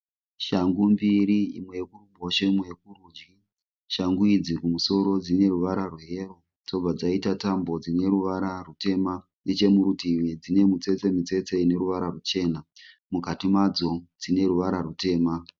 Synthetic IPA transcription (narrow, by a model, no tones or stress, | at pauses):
ʃaŋɡumbiɾiḭmwe̞kurumboʃeimwek̚urud͡ʒi | ʃaŋɡuid͡zikumuso̞ɾo̞d͡zine̞ruʋaɾarwe̞ːro̞ | d͡zo̞b͡vad͡zaitatambo̞d͡zine̞ɾuʋaɾarute̞ma | net͡ʃe̞muɾutiwed͡zine̞mut͡se̞t͡se̞mit͡se̞t͡seine̞ɾuʋaɾarut͡ʃe̞ːna | mukatimad͡zo̞d͡zine̞ɾuʋaɾarute̞ːma